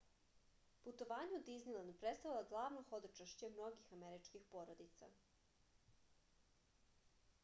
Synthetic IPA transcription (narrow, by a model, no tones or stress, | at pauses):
put̪oʋaːɲeud̪iznilˠand̪̚pɾet̪st̪aʋilˠoɡlˠaːʋnoxod̪ot͡ʃaʃt͡ɕemno̞ɡixameɾit͡ʃkixpoɾod̪it̪sa̰